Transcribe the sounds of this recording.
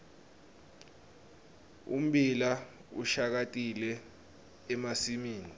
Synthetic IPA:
ṵm̩ɓila | ṵʃak̬atʼilɛː | masimiːni

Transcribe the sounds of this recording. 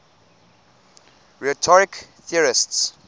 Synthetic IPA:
ɹɛtʰɔɹɪkθiəɹɪsts

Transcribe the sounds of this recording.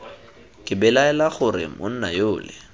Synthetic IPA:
kʼɪbɛlaɛlaχʊɾɪ̰mʔʊ̰n̩na̰joːlɪ̰

